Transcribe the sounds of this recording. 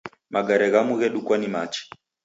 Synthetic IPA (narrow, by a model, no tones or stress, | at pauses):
maɡaɾɛɣamuɣɛɗukwanimat͡ʃɛ̥